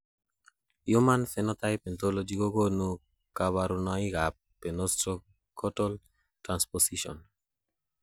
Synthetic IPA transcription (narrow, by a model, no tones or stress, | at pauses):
jomãnθenot̪ajpent̪olod͡ʒiɡoɡonu | kaβaɾunaiɡapː | enost̪ɾo | kʰot̪ol | t̪ɾansposiʃo̰n